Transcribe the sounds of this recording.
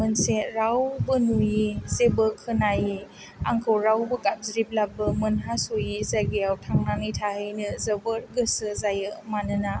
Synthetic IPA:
mɯnseɾawbənujizebəkʰɯnaji | a̰ŋkʰəwɾawbəkap̚zɾip̚labɯmənɦasojizaɡejawtʰaŋnaŋɯjtʰaɦɯjnɯzəbəɾɡɯsɯzajɯmanɯna

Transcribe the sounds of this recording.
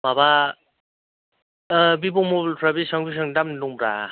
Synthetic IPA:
maba | bibɔmɔblpʰɾabisaŋbis̬aŋdamnuŋbɾa̰

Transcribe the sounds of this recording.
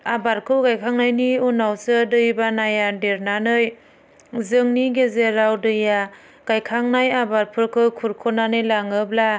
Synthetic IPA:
abaɾkʰɯwɡajkʰaŋnajniunawsɯdɯjbanajadeɾnanɯj | zɯŋniɡezeɾawdɯja | ɡ̥ajkʰaŋnajabaɾpʰɯɾkʰɯwkʰuɾkʰɔnanɯjlaŋɯbla

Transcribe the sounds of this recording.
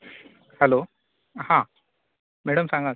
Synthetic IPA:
hɛlo | hã | mɛɽəmsãŋɡa

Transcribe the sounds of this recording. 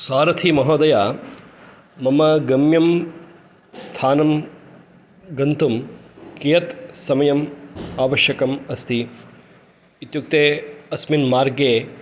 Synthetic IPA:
swaːɾɐt̪ʰimɐɦoːd̪ɐjaː | mɐmɐɡɐmjɐm | st̪ʰaːnɐm | ɡɐnt̪umkijɐt̪sɐmɐjɐmaːʋɐʃjɐkɐmɐst̪ʰi | it̪juk̚t̪eːɐsminmaːɾɡeː

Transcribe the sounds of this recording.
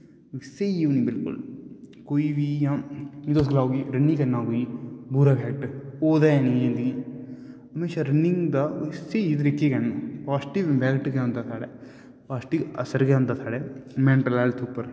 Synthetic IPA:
seiʋnibɪlkṵlkoiʋiːjãid̪oːs̬ɡɐlaːɡiɾɐnːĩkɐnːaːɡujibʱuːɾabʱjaːk̚ʈoːd̪ajaːniɡẽnd̪iɡi | ɐmeːʃaɾɐnːiŋɡd̪ɐseid̪ɾikːeɡenpaːsʈiʋbʱaːkʈɡeɐnt̪at̪ʰaːɽe | paːsʈiɐsɐɾɡeɐ̃nt̪aːt̪ʰaːɽemeːɳʈɐlaːlsuːpɐɾ

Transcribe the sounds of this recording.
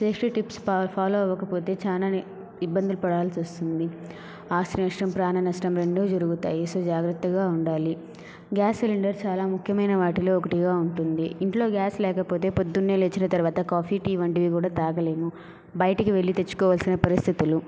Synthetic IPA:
seːkʂʈiʈipspʰaːloːɐʋɐkɐpo̞ːt̪e̞ːt͡ʃaːlaːn | ibːɐnd̪ulupɐɽaːlsiost̪und̪i | aːʃɾinɐʂʈɐmpɾaːnɐnɐsʈɐmɾeɳɖuːd͡ʒɐɾuɡut̪a̰ːjisoːd͡ʒaːɡɾɐt̪ːɐɡaːuɳɖaːli | ɡjaːseliɳɖɐɾt͡ʃaːlaːmukʰjɐmɐjnɐʋaːʈilo̞ːɔkɐʈiɡaːuɳʈund̪iiɳʈlo̞ːɡjaːslɛːkɐpo̞ːt̪e̞ːpod̪ːunːeːleːt͡ʃːinɐt̪ɐɾuʋaːt̪ɐkaːpʰiːʈiːʋɐɳʈiʋik̬uːɽaːt̪aːɡɐle̞ːmu | bɐjʈɐkiʋe̞ɭːit̪e̞t͡ʃːu̥kɔːʋɐːlsinɐpɐɾist̪ʰit̪ulu

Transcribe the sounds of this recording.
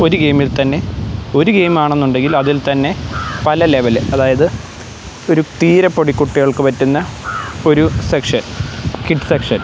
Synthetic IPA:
o̞ɾuɡe̞jmilt̪ɐnːe̞o̞ɾuɡe̞jmaːɳe̞nːuɳɖe̞ŋɡilɐðilt̪ɐnːe̞pɐlɐle̞ʋɐlɨɐðaːjɐðɨ | o̞ɾut̪iːɾɐpːo̞ɽikːuʈːiɣɐɭkɨpɐtːunːɐo̞ɾusekʂɐnkiʈːsekʂɐn

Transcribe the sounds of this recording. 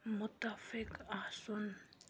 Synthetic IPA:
mʊt̪afɪkasɔn

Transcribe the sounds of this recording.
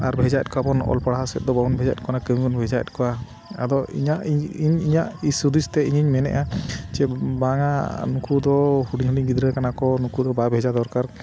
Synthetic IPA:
aɾbʱɛd͡ʒaɛ̰t̪̚kabɔnɔ̰lpaɽaɦasɛt̪̚d̪ɔbaunbʱɛd͡ʒaɛ̰t̪̚kɔanakəmibɔnbʱɛd͡ʒaɛ̰t̪̚ˀkɔwa | ad̪ɔḭɲaʔiiɲiɲaʔisud̪ist̪ɛiɲiɲmɛnɛ̰ʔat͡ʃɛbaŋanukʰud̪ɔhuɖiɲɦuɖiɲɡid̪ɾɛkanakɔnukud̪ɔbabʱɛd͡ʒad̪ɔɾkaɾ

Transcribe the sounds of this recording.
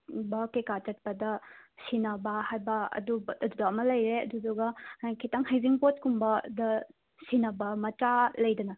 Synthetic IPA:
bɐkekatɐt̚pɐdɐsinɐbɐhajbɐɐ̰dubɐdudɐɐmɐlɐjɾeɐ̰duduɡɐkʰitɐŋɦajziŋpot̚kumbɐdɐ | sinɐbɐmɐtɾalɐjdɐnɐ

